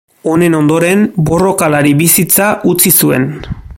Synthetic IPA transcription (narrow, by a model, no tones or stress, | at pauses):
o̞ne̞no̞nd̪o̞ɾe̞mbo̞ro̞kalaɾiβisit͡saʔut͡sisue̞̰n